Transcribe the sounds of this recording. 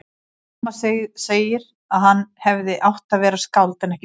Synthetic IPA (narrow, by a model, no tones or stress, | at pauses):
maseːjɪɾ | aðhanːhɛvðɪʔawht̪avɛːɾaskawlt̪ɪnɛhc